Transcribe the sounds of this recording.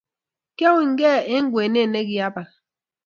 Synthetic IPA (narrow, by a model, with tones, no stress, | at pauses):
ke˦wi˨ŋ̩˦ɡe˦e˦ŋ̩˦ɡwe˨ne˦˨ne˦ɡi˦a˦ba˨k